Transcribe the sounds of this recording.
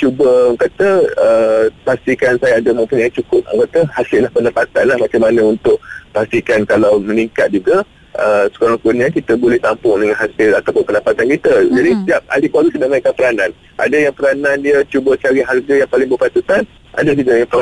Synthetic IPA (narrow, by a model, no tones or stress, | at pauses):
t͡ʃubəŋkat̪əəpast̪ikansajaːdamə̃mpuɲait͡ʃukʊp̚əŋkat̪əhasɪlːahpəndapat̪anlahmat͡ʃamanə̃unt̪ʊʔpast̪ikankalawməniŋkat̪̚d͡ʒuɡa | ʔəsə̥koɾaŋkunɲãkit̪əbolɛht̪ampʊŋdəŋanɦasɪlat̪awpʊnpəndapat̪ankit̪əd͡ʒadisət̪iap̚a̰likaɾukədaʔmaikanpəɾanãn | ʔa̰dajaŋpəɾanãndiət͡ʃubət͡ʃaɾiɦarɡajaŋpalɪŋbəpat̪ut̪an | ʔa̰dakidajapəɾa